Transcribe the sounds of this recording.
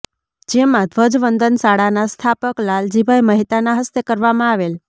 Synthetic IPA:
d͡ʒemãd̪ʱʋəd͡ʒʋənd̪ənsaɽanast̪ʰapəklald͡ʒibʱajməɦit̪anaɦəst̪ekəɾʋamãaʋel

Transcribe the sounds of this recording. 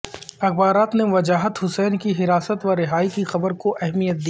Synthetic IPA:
ɐxbaːɾaːt̪neʋɐd͡ʒaːɦət̪ɦʊsɛːnkiɦɪɾaːsət̪ʋaɾɪɦaːikixɐbəɾkoʔɛɦmijət̪̚d̪i

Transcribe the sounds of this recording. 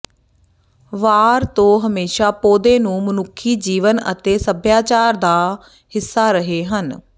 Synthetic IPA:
ʋaːɾt̪õːɦəmeːʃaːpoːd̪ẽːnũːmənʊkʰːiːd͡ʒiːʋənə̰t̪eːsəbʱjaːt͡ʃaːɾd̪aː | hɪsːaːɾəɦeːɦən

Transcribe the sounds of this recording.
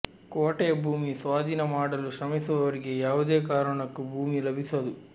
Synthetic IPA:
koːʈejɐbʱuːmisʋaːd̪ʱinɐmaːɽɐluʃɾɐmisuʋɐʋɐɾiɡe̞jaːʋud̪eːkaːɾɐɳɐkːubʱuːmilɐbʱisɐd̪u

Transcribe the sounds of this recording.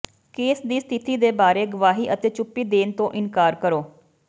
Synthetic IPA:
keːsd̪iːst̪ʰɪt̪iːd̪eːbaːɾeːɡəʋaːɦiːʔət̪eːt͡ʃʊpːiːd̪eːnt̪õːʔɪnkaːɾkəɾoː

